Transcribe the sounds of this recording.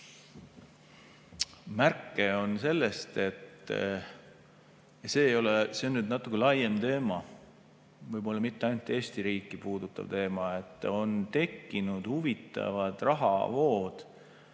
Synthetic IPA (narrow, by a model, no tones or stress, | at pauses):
mærkːˑeo̞nse̞lːest̪e̞t̪ːˑ | se̞ːjo̞leseo̞nːyd̪nɑt̪ːˑukːelɑjemt̪e̞ːmɑ | vɯjbo̞lːɑmit̪ːeɑjnut̪ːˑe̞ːst̪iɾiːkːˑipuːd̪̥ut̪ːˑɑ̰vt̪e̞ːmɑet̪ːˑo̞nt̪e̞kːinud̪̥huvit̪ːˑɑ̰vɑd̪̥rɑɦɑ̰vo̞ːd̪̥